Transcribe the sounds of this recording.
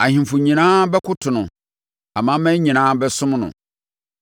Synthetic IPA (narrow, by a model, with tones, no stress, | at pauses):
a˨hĩ˨fʊ˨ɲĩ˨nãː˦bɛ˦kʊ˦tʰʊ˨nʊ̃˨ | a˨mã˦mæ̃˦ɲĩ˨nãː˦bɛ˦sʊ̃˦m˦nʊ̰̃˨